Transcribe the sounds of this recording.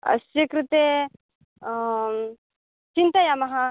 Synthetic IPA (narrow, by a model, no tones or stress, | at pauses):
ɐ̰sjɐkɾut̪eː | t͡ʃint̪ɐjamɐɦa